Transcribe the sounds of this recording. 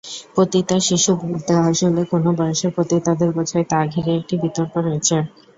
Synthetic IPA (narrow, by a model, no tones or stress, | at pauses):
pɾot̪it̪aɾʃiʃubʱult̪eaʃolekonobajoʃeɾpɾot̪it̪ad̪eɾbɔt͡ɕʰajt̪aɡʱikeek̚ʈibit̪oɾpoɾojet͡ɕʰe